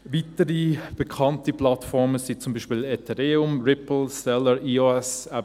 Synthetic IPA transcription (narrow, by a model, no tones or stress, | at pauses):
vitəɾib̥əkʰɑntiplɑtfɔɾməsit͡sʊmbiːʃpiːlɛtʰɛɾeːʊmɾɪpl̩sɛləɾʔiːoɛsæ